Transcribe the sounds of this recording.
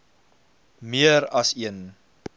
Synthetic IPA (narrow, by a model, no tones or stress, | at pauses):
miəɾɐsiən